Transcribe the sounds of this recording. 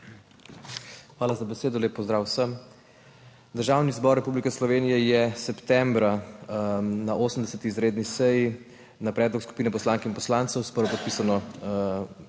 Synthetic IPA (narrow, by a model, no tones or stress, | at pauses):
xʋaːlazabɛseːd̪ɔleːpːɔzd̪ɾaːwsəm | d̪əɾʒawnizbɔɾːɛpublikɛslɔʋeːnijɛjɛsɛpt̪ɛmbɾa | naʔosəmd̪ɛsɛt̪iːzɾeːd̪nisɛji | napɾɛːd̪lɔksku̥piːnɛpɔslaːŋkɛinpɔslaːnt̪səwspəɾʋɔpɔt̪piːsanɔ